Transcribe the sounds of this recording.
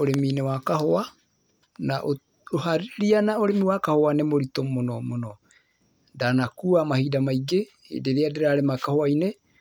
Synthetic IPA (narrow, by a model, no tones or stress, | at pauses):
oɾeminewakahoa | naʔo | ohaɾiɾianaoɾemiwakahoanemoɾitomːonomono | danakuamahidamajɡe | ḛdeɾeadeɾaɾemakahoajne